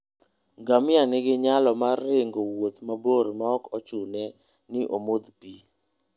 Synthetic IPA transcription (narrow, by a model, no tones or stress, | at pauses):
ɡamɪanɪɡɪɲalɔmarːɪŋɡowot̪maboɾmaɔkɔt͡ʃunɛ | nɪʔomod̪pi